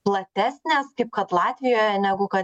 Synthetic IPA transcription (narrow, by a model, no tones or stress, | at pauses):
plˠɐt̪ʲæːsʲnʲeːskɐɪp̚kɐt̪lˠɑːt̪ʲʋʲɪjoːjɛnʲæɡʊkɐ